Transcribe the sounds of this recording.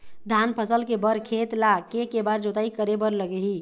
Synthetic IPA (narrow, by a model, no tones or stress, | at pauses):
d̪ʱanpʰəsəlkebəɾkʰet̪lakekebaɾd͡ʒot̪aikəɾebəɾləɡɛɦi